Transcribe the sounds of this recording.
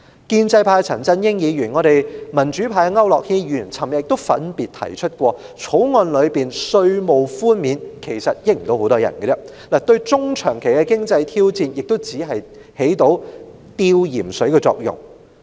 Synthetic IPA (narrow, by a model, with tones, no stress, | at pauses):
kiː˧nt͡sɐ˧jpʰaː˧jt͡sʰɐ˨˩nt͡sɐ˥njɪ˥ŋjiː˨˧jyː˨˩nŋɔː˨˧ɾe˨jmɐ˨˩nt͡ʃyː˨˥pʰaː˧jŋɐ˥wlɔː˨k̚hiː˧jyː˨˩nt͡sʰɐ˨˩mjɐ˨jɪ˨k̚t̪o˥wfɐ̰˨˥npiː˨t̚t̪ʰɐ̰˨˩jt͡ʃʰɵ˥t̚kʷɔː˧ | t͡sʰo˨˥wŋɔː˧nlɵ˨˧piː˨˩nsɵ˧ɥmo˨wfuː˥nmiː˨˧nkʰe˨˩jsɐ˨t̚jɪ˥˩ŋ̩˨t̪o˧who˨˥wt̪ɔː˥jɐ̰˨˩nkɛ˧t͡sɛ˥˧ | laː˨˩t̪ɵ˧ɥt͡sʊ˥ŋt͡ʃʰœː˨˩ŋkʰe˨˩jkɛ˧kɪ˥ŋt͡sɐ˧jt̪ʰiː˥wt͡siː˧njɪ˨k̚t̪o˥wt͡siː˨˥ɦɐ˨j | he˨˥jt̪o˨˥w | t̪iː˧wjiː˨˩msɵ˨˥ɥkɛ˧t͡sɔ̰ː˧k̚jʊ̰˨˩ŋ